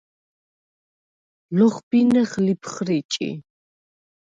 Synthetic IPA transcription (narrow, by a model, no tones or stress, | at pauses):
lɔχbinɛχlipʰχɾit͡ʃʼḭ